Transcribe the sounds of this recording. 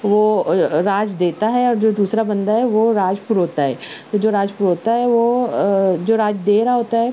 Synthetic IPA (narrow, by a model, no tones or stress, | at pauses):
ʋoːɾaːd͡ʒd̪eːt̪aɦɛɔːɾd͡ʒoːd̪uːsɾabɐ̃nd̪aɦɛʋoɾaːd͡ʒpuɾɦoːt̪aɦɛ̰ːt̪od͡ʒoːɾaːd͡ʒpuɾɦoːt̪aɦɛʋo | d͡ʒoːɾaːd͡ʒd̪eːɾaɦoːt̪aɦɛ